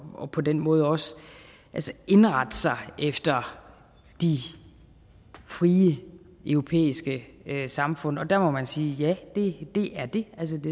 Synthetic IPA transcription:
ɒ̽pʰɒ̽d̥enmɔ̽ːð̞ˠɒ̽s | ʔælsəe̝nʁɑ̈d̥əsɑ̈ɪefd̥ɐ | d̥i | fʁiːə | ʔœʊʁo̝pʰḛːisɡ̥əøsɑ̈mfɔ̽n̰ɒ̽d̥æɐmɒ̽mænsiːjæd̥e̝d̥e̝ʔæɐd̥e̝ʔæls̬əd̥e

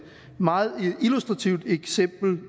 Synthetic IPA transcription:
mɑ̈ːð̩ˠilusd̥ʁɑ̈t͡sʰiʊ̰d̥eɡ̥sem̰b̥l̩

